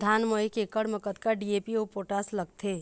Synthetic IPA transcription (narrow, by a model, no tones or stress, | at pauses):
d̪ʱanməjkekəɽməkət̪kaɖiepiopoʈasləɡt̪ʰe